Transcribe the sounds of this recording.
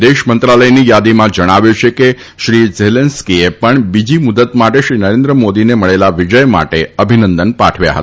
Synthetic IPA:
d̪eʃmənt̪ɾaləjnijad̪imãd͡ʒəɽ̃aʋjut͡ʃʰeke | ʃɾizelenskiepəɳbid͡ʒimʊd̪ət̪maʈeʃɾinəɾend̪ɾəmod̪ineməɭelaʋid͡ʒəjma̰ʈeəbʱinənd̪ənpa̰ʈʰʋja̰ɦə̰t̪a

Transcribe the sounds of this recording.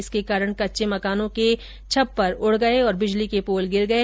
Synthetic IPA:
ɪskekaːɾəɽ̃kɐtːʃemɐkaːnõke | t͡ʃʰɐpːɐɾʊɽ̤ɡɐeɔːɾbɪd͡ʒlikepoːlɡɪɾɡɐe

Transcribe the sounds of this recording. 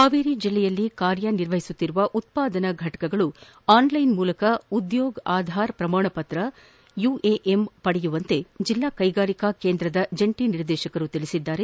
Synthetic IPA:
aːʋiːɾid͡ʒilːɛjɐlːikaːɾjɐniɾʋɐɦisut̪ːiɾuʋɐʔut̪̚paːd̪ɐnɐɡʱɐʈɐ̥kɐɡɐɭu | aːnlɐjnmuːlɐkɐud̪joːɡaːd̪ʱaːɾpɾɐmaːɳɐpɐt̪ɾɐ | jueʔempɐɽɛjuʋɐnt̪e̞d͡ʒilːaːkɐjɡaːɾikakeːnd̪ɾɐd̪ɐd͡ʒɐɳʈiniɾd̪ɛːʃɐkɐɾut̪iɭisid̪ːaːɾe̞

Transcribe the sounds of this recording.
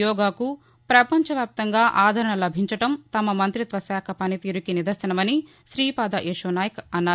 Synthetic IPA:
jɔːɡaːku | pɾɐpɐɲt͡ʃɐʋjaːp̚t̪ɐŋɡaːʔaːd̪ʱɐɾɐɳɐlɐbʱiɲt͡ʃɐʈɐmt̪ɐmɐmɐnt̪ɾit̪ʋɐsaːkʰɐpɐnit̪iːɾukinid̪ɐsɐnɐmɐni | ʃɾiːpaːd̪aʔeːʂɐnaːjɐkɐnːaː

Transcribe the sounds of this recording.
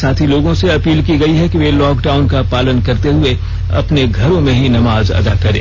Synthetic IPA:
saːt̪ʰiloːɡõseɐpiːlkiɡɐiɦɛkiʋelɔːkɖaːʊnkapaːlənkɐɾt̪eɦʊe | ɐ̰pneɡʱɐɾõmẽɦinɐmaːzɐ̰d̪akɐɾḛ̃ː

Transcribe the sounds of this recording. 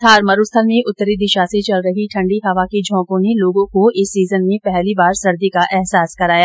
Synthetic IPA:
t̪ʰaːɾmɐɾʊst̪ʰəlmẽʔʊt̪ːəɾid̪ɪʃaset͡ʃɐlɾɐɦiʈʰɐ̃ɳɖiɦɐʋaked͡ʒʱɔ̃ːkõneloːɡõkoɪsːiːzənmẽpɛɦlibaːɾsɐɾd̪ikaʔɛɦsaːskɐɾaːjaː

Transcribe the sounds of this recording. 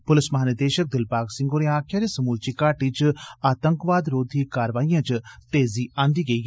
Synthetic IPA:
pʊlɪsmɐɦaːnəd̪eːʃək̚d̪ɪlpaːksɪ̃ŋɡoːɾẽaːkʰjaːɾesɐmuːlt͡ʃikaːʈit͡ʃaːt̪əŋkʋaːd̪ɾoːd̪ʱiːkaːɾʋaːijãt͡ʃt̪eːziʔãːnd̪iɡɐiː

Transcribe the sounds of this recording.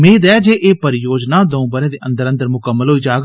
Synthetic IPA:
mẽːd̪ɛːd͡ʒeːʔeːpəɾɪjoːd͡ʒnaːd̪oũbəɾẽːd̪eːʔə̃nd̪əɾə̃nd̪əɾmʊkəmːəlɦoːiːd͡ʒaːɡ

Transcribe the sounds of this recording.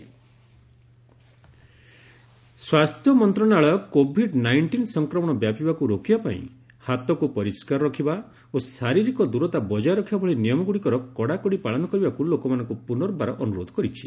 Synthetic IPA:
swast̪ʰjɔmɔnt̪ɾɔnaɭɔkobʱiɖnajɳʈinsɔŋkɾɔmɔɽ̃ɔbjapibakuɾokibapa̰ḭ̃ | hat̪ɔkupɔɾiskaɾɔɾɔkʰiba | osaɾiɾikɔd̪uɾɔt̪abɔd͡ʒajɾɔkʰibabɔɭinijɔmɔɡuɽikɔɾɔkɔɽakɔɽipaɭɔnɔkɔɾibakulokɔmanɔ̃ŋkupunɔɾbaɾɔʔɔnuɾod̪ʱɔ̥kɔɾit͡ʃʰi̥

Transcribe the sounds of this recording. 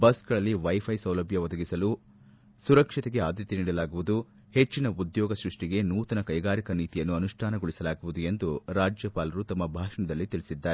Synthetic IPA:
bɐsɡɐɭɐlːiʋɐjpʰɐjsɐwlɐbʱjɐʋɔd̪ɐɡisɐlu | suɾɐkʂit̪eɡe̞aːd̪jɐt̪iniːɽɐlaːɡuʋud̪u | he̞t͡ʃːinɐud̪jɔːɡɐsɾuʂʈiɡe̞nuːt̪ɐnɐkɐjɡaːɾikɐniːt̪ijɐnːuɐnuʂʈʰaːnɐɡɔɭisɐlaːɡuʋud̪ue̞nd̪uɾaːd͡ʒjɐpaːlɐɾut̪ɐmːɐbʱaːʂɐɳɐd̪ɐlːit̪iɭisid̪ːaːɾe

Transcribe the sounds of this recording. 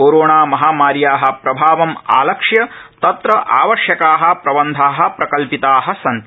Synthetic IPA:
oːɾoːɳaːmɐɦaːmaːɾjaːɦɐ̆pɾɐbʱaːʋɐma̰ːlɐkʂjɐt̪ɐt̪ɾɐʔa̰ːʋɐʃjɐkaːɦɐ̆pɾɐbɐnd̪ʱaːɦɐ̆pɾɐkɐlpit̪aːɦɐ̆sɐn

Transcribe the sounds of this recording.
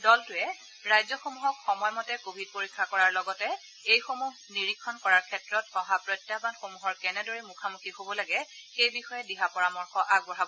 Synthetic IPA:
dɔltʊɛ | ɹajzɔxomuɦɔkxɔmɔjmɔtɛkobʱid̚poɹikʰːakɔɹaɹlɔɡɔtɛ | ejxomuɦniɹikʰːɔnkɔɹaɹkʰɛtɹɔtɔɦapɹɔjtːabanxomuɦɔɹkɛnɛdoɹimukʰamukʰihobɔlaɡɛxejbixɔjɛdiɦapɔɹamɔɹxɔʔaɡbɔɹabɔ

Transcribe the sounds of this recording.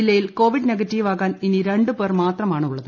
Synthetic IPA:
ilːɐjilko̞ːʋiɖneɡɐtːiːʋaːɣaːniniɾeɳɖɨpeːrmaːt̪rɐmaːɳɨuɭːɐðɨ

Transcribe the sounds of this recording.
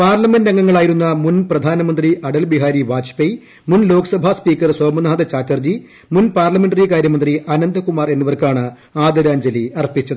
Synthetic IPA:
paːrlɐmendɐŋːɐŋːɐɭaːjiɾunːɐmunprɐd̪ʱaːnɐmɐnd̪riʔɐɽɐlbiɦaːɾiʋaːt͡ɕpɐj | munlo̞ːkɐsɐbʱaspiːkːɐrsoːmɐnaːd̪ɐt͡ɕaːtːɐrd͡ʑi | munpaːrlɐmeɳɖɐɾikaːɾjɐmɐnd̪riʔɐnɐnd̪ɐkumaːre̞nːiʋɐrkaːɳɨ | aːd̪ɐɾaːɲd͡ʑɐliɐrpːit͡ɕːɐðɨ

